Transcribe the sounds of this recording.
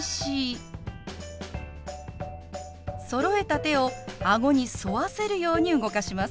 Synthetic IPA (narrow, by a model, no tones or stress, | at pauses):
ɕi | so̞ɾo̞e̞t̪at̪e̞o̞aɡo̞ɲ̟iso̞βase̞ɾɯ̟jo̞ːɲ̟iɯ̟ɡo̞kaɕimas